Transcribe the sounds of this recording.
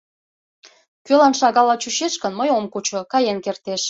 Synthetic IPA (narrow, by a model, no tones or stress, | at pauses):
kølɑnʃɑɣɑlɑt͡ɕuʃeʃkənməjomkut͡ɕokɑjenkert̪eʃ